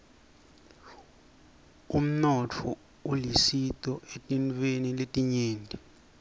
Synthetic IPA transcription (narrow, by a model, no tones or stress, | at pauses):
um̩nɔt͡fʰɔ̰ | ulisitʼɔʔetʼint͡fweniletʼiɲeːndʱi